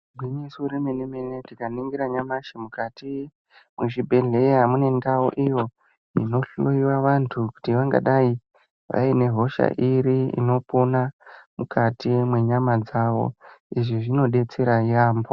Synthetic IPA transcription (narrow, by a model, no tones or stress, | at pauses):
bʱwiɲisiuɾemenemenetikaniŋɡiɾaɲamaʃemukati | mwuʃibʱe̞ɮe̞eɦamune̞ndauʔijo̞ | ḭno̞ɬoiwaʋantʰuku̥tiʋaŋɡa̰ɗai | ʋa̰ine̞ɦo̞ʃa̰ʔiɾiḭno̞ponamukʰatimwe̞ɲamad͡zaːʋo̞̰iʐiʐino̞ɗe̞t͡se̞ɾajaːmbo